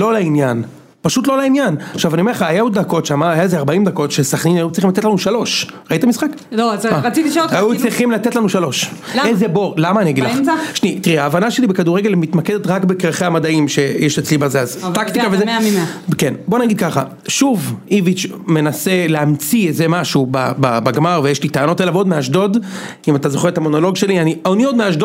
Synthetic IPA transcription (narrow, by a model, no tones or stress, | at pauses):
lo̞lainjan | paʃut̪̬lo̞lainjanaχʃavanie̞χaːjaud̪ako̞tʃamaːjaezeaʁbaimd̪ako̞tʃesaχninajut͡sʁiχimlatetlanuʃalo̞ʃʁait̪amisχak | oaat͡sit̪iʃajut͡sʁiχimlat̪et̪lanuʃalo̞ʃ | ezebo̞ʁlamaːniaɡid̪laχʃnit̪iʁiaːvanaʃe̞libekaduʁeɡe̞lmit̪maked̪et̪ʁakbekʁeχeamad̪aimʃe̞jeʃet͡slibazeazt̪akt̪ikavezeikenbonaɡid̪̚kaχa̰ | ʃuvivit͡ʃme̞nase̞leamt͡sietzemaʃubababaɡmaʁvejeʃlit̪aːno̞telavod̪meɦaʃ̬do̞d | imat̪azoχeet̪amo̞no̞lo̞ɡʃe̞lianioniod̪meaʃ̬do